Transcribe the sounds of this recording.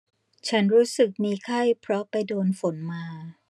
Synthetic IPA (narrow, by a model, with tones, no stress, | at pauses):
t͡ɕʰa˦˥nɾuː˦˥sɯ˨˩k̚miː˧kʰa˥˩jpʰɾɔ˦˥pa˧jdoː˧nfo˩˦nmaː˧